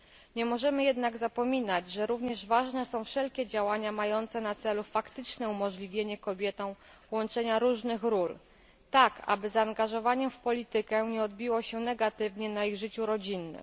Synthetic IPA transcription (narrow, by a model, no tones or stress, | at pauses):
ɲɛmɔʐɛmɘjɛd̪naɡzapɔmʲinad͡ʑʐɛɾuvɲɛʐvaʐnɛsɔ̃w̃fʂɛlkʲɛd͡ʑawaɲamajɔnt̪sɛnat̪sɛlufakt̪ɘt͡ʂnɛumɔʐlʲivʲjeɲɛkɔbʲjɛt̪ɔ̃w̃ | wɔnt͡ʂɛɲaɾuʐnɘxɾul | t̪aka̰bɘzaːŋɡaʐɔvaɲɛmfpɔlʲit̪ɘkɛɲɛɔd̪bʲiwɔɕɛnɛɡat̪ɘvɲɛnaiɣʐɘt͡ɕuɾɔd͡ʑinːɘ̰m